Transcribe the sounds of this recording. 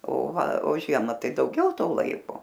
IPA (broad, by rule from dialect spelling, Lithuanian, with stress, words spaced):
oː ˈʋɐ oː ˈʒʲiɛmɐ ˈtɐɪ dɐʊˈɡʲɛʊ ˈtoː ˈlˠɐɪkoː